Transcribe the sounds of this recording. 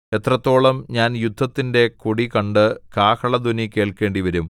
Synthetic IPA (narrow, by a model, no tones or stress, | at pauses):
et̪rɐt̪ːo̞ːɭɐmɲaːnjud̪ʱːɐt̪ːinde̞kuɽikɐɳɖɨkaːkʰɐɭɐd̪unike̞ːɭke̞ːɳɖiʋɐɾum